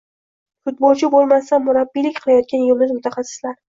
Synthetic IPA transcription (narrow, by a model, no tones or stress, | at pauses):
fʊt̪̚bɒlˠt͡ʃʰɪbolˠmast̪anmʊɾabːilɪkʲqʰɨlˠajɒt̪̚kʲanjʊlmɪzmʊt̪ʰaχɑsːɪ̥slaɾ